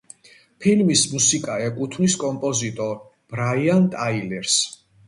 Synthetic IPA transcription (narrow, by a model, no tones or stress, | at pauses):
pʰilmismusikʼaɛkʼut̪ʰmiskʼɔmpʼɔzit̪ʼɔɾ | b̥ɾaiant̪ʼailɛɾs